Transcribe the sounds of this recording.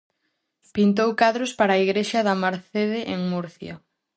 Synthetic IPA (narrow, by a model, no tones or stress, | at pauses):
pint̪̬owkaðɾospaɾaːiɣɾeʃɐðɐmaɾθeðɪʔeŋmuɾθja̰